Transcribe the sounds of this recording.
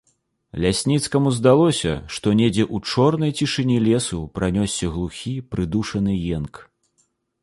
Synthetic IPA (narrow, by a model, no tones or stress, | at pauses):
lʲasʲnʲit̪skɐmuzd̪alˠɔsʲɐ̰ʂt̪ɔnʲed͡zʲɛʔut͡ʂɔrnɐjt͡sʲiʂɨnʲilʲɛsupɾanʲɔsʲːɐɣlˠuxʲipɾɨd̪uʂɐn̪ɨjɛnk